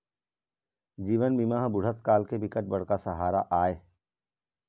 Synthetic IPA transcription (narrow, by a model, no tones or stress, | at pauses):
d͡ʒiːʋənbimaːɦbʊɽ̤ət̪kaːlkebɪkəʈ̪̚bɐɽ̤kasəɦaːɾaʔaːeː